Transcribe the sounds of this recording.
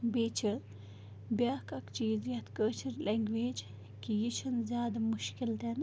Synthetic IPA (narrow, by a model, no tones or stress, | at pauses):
beːt͡ʃʰɐ | bjaːkɐkt͡ʃiːzjɐt̪kət͡ʃʰɐɾlʔeŋɡʋeːd͡ʒ | kijit͡ʃʰɐnzʲjaːd̪ɐmuʃkilt̪en